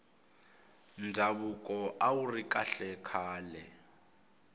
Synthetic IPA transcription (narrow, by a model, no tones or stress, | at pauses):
nd͡zʱaβukʼɔʔawurikʼa̰ɬɛkʰaːlɛ